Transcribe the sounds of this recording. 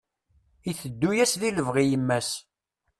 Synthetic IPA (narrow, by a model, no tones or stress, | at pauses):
iθəd̪ːujæsðiləvʁijəmːæs